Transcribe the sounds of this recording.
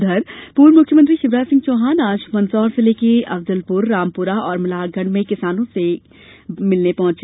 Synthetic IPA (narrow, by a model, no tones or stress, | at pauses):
d̪ʱɐɾpuːɾmʊkʰjəmə̃nt̪ɾiʃɪʋɾaːd͡ʒsɪ̃ŋɡ̚t͡ʃoːɦaːnaːʃmɐ̃nsɔːɾsɪleːkeɐfd̪əlpʊɾːaːmpʊɾaɔːɾmɐlaːɡɐ̃ɳɖmẽkɪsaːnõse | mɪlnepɐɦʊ̃t͡ʃ